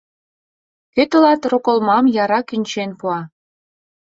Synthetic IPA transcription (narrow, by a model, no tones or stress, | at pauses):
køt̪ə̆lɑt̪rokə̆lmɑmjɑɾɑkynʲt͡ɕenpuɑ